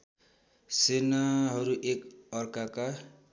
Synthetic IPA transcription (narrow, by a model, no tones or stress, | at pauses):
senaɦʌɾuʔekʌrkaka